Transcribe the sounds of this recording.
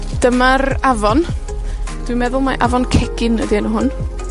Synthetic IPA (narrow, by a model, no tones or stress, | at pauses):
d̥əmaravɔn | d̥wimɛðʊlˠmaʔavɔnkʰɛɡ̥ɪnədinəɦʊn